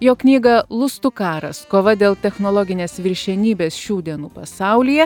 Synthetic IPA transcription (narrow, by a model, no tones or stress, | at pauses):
joːknʲiːɡɐlˠʊst̪ʊkɑːɾɐ̰skoːʋɐd̪ʲeːlˠt̪ʲɛxnoːlˠɔːɡʲɪnʲeːsʋʲɪɾʲʃʲɛnʲiːbʲeːsʃʲuːd̪ʲiɛnuːpɐsɑˑʊlʲiːjɛ